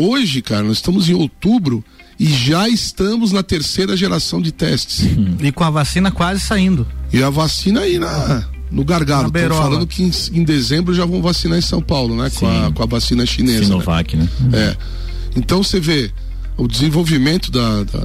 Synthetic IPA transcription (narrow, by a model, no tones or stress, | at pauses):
oʒɪkaɾɐnɔzɪ̥st̪ɐ̃mʊzẽj̃ot̪ubɾʊ | ɪʒaɪst̪ɐ̃mʊznɐt̪eɾsejɾɐʒeɾasɐ̃w̃d͡ʒɪt̪ɛst͡ʃɪ̥sɪkõɐvasĩnɐkwazɪsaĩnd̪ʊɪɐvasĩnɐainɐ | nʊɡaɾɡadʊb̪eɾffalɐ̃d̪ʊkɪẽsẽd̪ezẽmbɾʊʒavɐ̃w̃vasinaɾẽsɐ̃w̃pawlʊnɛkõkõɐvasĩnɐʃinezova̰kɪnɛɛ | ẽnt̪ɐ̃w̃seve | ʊd͡ʒɪzẽvowvimẽnt̪ʊd̪ɐd̪ɐ̰